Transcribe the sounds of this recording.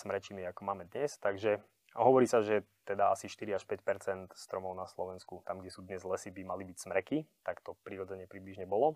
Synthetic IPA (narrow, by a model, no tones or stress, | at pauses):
smɾɛt͡ʃimiakɔmaːmɛd̪ɲɛst̪aɡʒɛ | ɦɔʋɔɾiːsaʒɛ | t̪ɛd̪aasiʃt̪iɾiaʃpɛcpɛɾt͡sɛnt̪st̪ɾɔmɔʊnaslɔʋɛnskut̪amɡɟɛsuːd̪ɲɛzlɛsibimalibicsmɾɛkit̪akt̪ɔpɾiɾɔd͡zɛɲɪɛpɾibliʒɲɛbɔlɔ